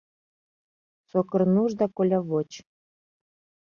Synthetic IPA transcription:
sokɤ̆rnuʒd̪ɑkolʲɑβot͡ɕ

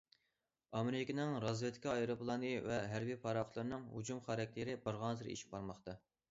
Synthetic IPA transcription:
ɑmɪɾɪkʲinɪŋɾɑzjet̪ʰkʲʰɑɑjɾoplˠɑnɨvɛɦæɾbijpʰɑɾɑχʊt̪lˠɨɾɨnɨŋɦṵd͡ʒumχɑɾɛk̚ʲt̪ʰɪɾɪbɑɾʁɑnt̪ʰɨɾḛʃi̥p̚bɑɾmɑχt̪ɑ

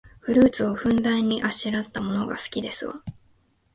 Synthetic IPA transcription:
ɸɯ̟ɾɯ̟ːt͡sɨo̞ɸɯ̟̃nd̪ãɲ̟ːiʔaɕiɾat̪ːamo̞no̞ɡa̰sɨ̥kʲid̪e̞sɨβa̰

